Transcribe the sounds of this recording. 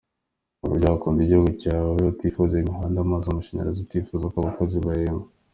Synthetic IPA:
aβṵɾɟaːβakuːndiɟihuɡucaːwaotifuzeiɦandamazomuʃeɲḛazitifuzakoaβakoziβajemo

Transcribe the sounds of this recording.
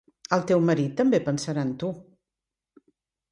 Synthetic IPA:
əlˠt̪ewməɾit̪ːəmbepənsəɾaənt̪u

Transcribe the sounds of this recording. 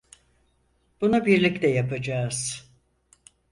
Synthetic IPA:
b̥unabiɾlʲiclɛjapad͡ʒaːz̥

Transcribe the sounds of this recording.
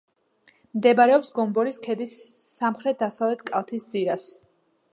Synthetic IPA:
md̪ɛbaɾɛɔpsɡɔmbɔɾiskʰɛd̪isːamχɾɛt̪̚ʰd̪asavlɛt̪ʰkʼalˠt̪ʰisd̪ziɾas

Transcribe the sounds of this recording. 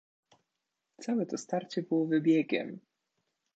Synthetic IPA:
t̪sawɛt̪ɔst̪aɾt͡ɕɛbɘwɔvɘbʲjɛɡʲɛ̰m

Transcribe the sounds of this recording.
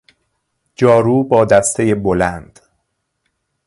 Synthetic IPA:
d͡ʒɒːɾuːbɒːd̪æst̪ʰe̞jebolænd̪̥

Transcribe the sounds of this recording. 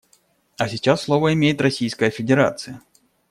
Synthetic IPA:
ɐsʲɪt͡ɕasːlˠo̞vəɪmʲejɪt̪rɐsʲijskəjəfʲɪdʲɪɾa̰t̪sɨjə

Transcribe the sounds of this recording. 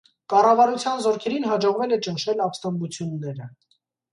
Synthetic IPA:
kɑrɑvɑɾut͡sʰjɑnzɔɾkʰɛɾinɦɑd͡ʒɔʁvɛlɛt͡ʃənʃɛlɑpst̪ɛmbut͡sʰjunːɛɾə

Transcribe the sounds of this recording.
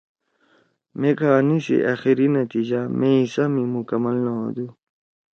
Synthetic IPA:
mẽkanisḛʔaxiɾinɐt̪iːd͡ʑamʔẽisamĩmukɐmɐlnaɦõ̰d̪u

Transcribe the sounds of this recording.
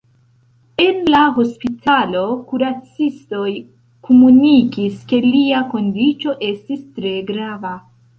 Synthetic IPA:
e̞nlaɦo̞spitʰalo̞kuɾat͡sisto̞j | kʰomunikiske̞liako̞ndit͡ʃo̞ʔe̞stistɾe̞ɡɾava

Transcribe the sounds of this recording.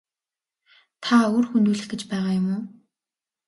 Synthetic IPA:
t̪ʰaoːrxunt̪uːɮɘ̆xɡĕt͡ɕpæːʁaːjʊmʊː

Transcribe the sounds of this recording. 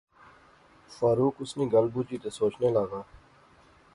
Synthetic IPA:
faːɾuːkʊsnĩːɡəlbuːt͡ʃiːt̪eːsoːt͡ʃneːlaːɡaː

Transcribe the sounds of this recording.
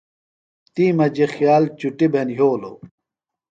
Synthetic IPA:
t̪iːmɐd͡ʑexjaːlt͡ɕuʈibʱenɦoːlo̰

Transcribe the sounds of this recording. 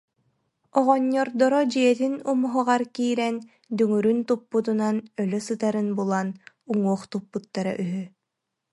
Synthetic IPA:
ɔʁɔɲːɔɾd̪ɔɾɔd͡ʑiɛt̪̬inumuɦaʁaɾkiːɾɛn | d̪yŋyɾynt̪upːut̪unanœlœsɯt̪aɾɯnbulˠan | uŋuɔχt̪upːut̪ːaɾa̰ʔyɦy

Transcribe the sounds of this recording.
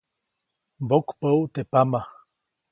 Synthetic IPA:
bokpəwt̪epama

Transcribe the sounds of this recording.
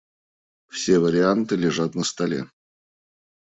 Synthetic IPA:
fsʲe̞vəɾʲɪant̪ɨlʲɪʐat̪nəst̪ɐlʲḛ

